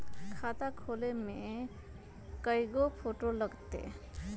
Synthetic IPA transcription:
kʰat̪akʰoleme | kəjɡopʰoʈoləɡt̪ḛ

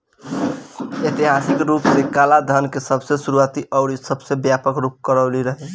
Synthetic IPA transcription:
et̪iɦasikɾupsekalad̪ʱənkesəbʱsesuɾuat̪iʔəʊɽisəbsebjapəkɾup̚kəɾəliɾəɦɛ

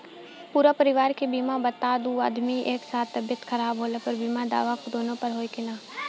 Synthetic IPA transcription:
puːɾapəɾɪʋaːɾkebiːmabət̪ad̪uːa̰ːd̪miʔeːksaːt̪t̪ːɐbjət̪kʰəɾaːbɦoːlepəɾbiːmad̪a̰ːʋakd̪oːnõpəɾɦoːikɪnaː

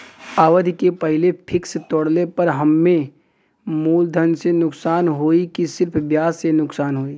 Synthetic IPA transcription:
aːʋəd̪ʱkepɐɦlepʰɪkst̪ɔːɽlepɐɾɦɐmːẽ | muːld̪ʱənsenʊksaːnɦoːikisɪɾpʰbjaːzːenʊksaːnɦoːiː

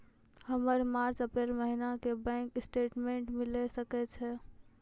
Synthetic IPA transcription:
həməɾmaːɾt͡ʃəpɾeːlməɦinakebɛ̃ːŋkɪsʈeːʈmẽɳʈmɪlesəkɛt͡ʃʰɛ

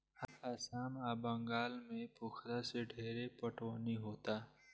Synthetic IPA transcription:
həɾaːsaːmaːbəŋɡaːlmẽpʊkʰɾaseɖʱeːɾepəʈwaniɦoːt̪aː

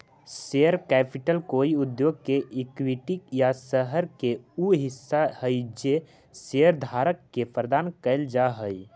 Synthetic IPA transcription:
seəɾkɛpʰiʈəlkoːiud̪joɡ̚keʔikwiʈikjasəɦəɾkeuɦɪsːahəjd͡ʒe | seəɾd̪ʱaɾəkːepɾəd̪ankəɪld͡ʒaɦəj

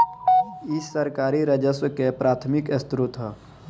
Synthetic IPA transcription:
ɪsːəɾkaːɾiɾəd͡ʒəswkepɾaːt̪ʰmɪkɪst̪ɾʊt̪ɦə

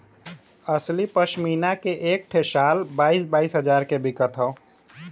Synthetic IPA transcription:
əslipəʃminakeʔek̚ʈʰesalbaːisbaːisɦəd͡ʒaɾkebikət̪ɦəo

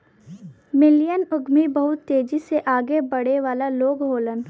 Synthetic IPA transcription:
mɪlijənʊɡmibəɦʊt̪ːeːd͡ʒiseʔaːɡebɐɽ̤eʋaːlaloːɡɦoːlən

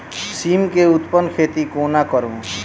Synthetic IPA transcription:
siːmkeʊt̪pənkʰeːt̪ikoːnakəɾõ

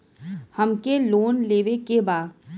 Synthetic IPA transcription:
hɐmkeloːnleːʋekebaː

